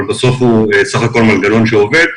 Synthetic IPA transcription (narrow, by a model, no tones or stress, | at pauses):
lbaso̞fuesaχako̞lmalɡalo̞nʃeo̞ve̞d̪̚